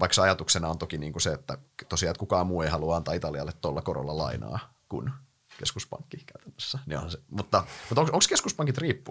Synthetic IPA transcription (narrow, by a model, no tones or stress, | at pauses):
ʋɑikseɑjɑt̪uksenɑont̪okiniːŋkuseet̪ːæ̰t̪osiɑlt̪̚kukɑːmmuːeihɑluɑɑnt̪ɑːit̪ɑliɑlːet̪t̪olːɑkoɾo̰lːɑlɑ̰inɑ̰ː | kṵn | keskuspɑ̰ŋkːikæyt̪ænːøsːænio̰nhɑnsemut̪ːɑmut̪oŋksoŋkskeskuspɑŋkit̪riːpːu